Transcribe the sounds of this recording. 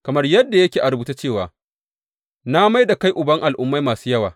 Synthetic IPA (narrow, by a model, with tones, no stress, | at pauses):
kɐ˨mɐ˦rjɐ˦dːa˨jɐ˦kʲeː˨ʔa˨ɾʊ˨buː˦ta˦t͡ʃeː˦˨waː˨ | na˦ma˦jda˨ka˦jʔʊ˨bɐ˦ŋʔa˨lʔʊ˦mːa˦jmaː˨suː˦jɐ˦waː˨